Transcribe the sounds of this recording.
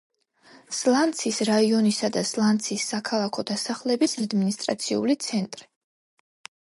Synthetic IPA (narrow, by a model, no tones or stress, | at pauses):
slˠant̪sʰisɾaiɔnisad̪aslˠandt̪sʰisːakʰalˠakʰɔd̪asaχlɛbisad̪minist̪ʼɾa̰t̪sʰḭṵlit̪sʰɛnt̪ʼɾi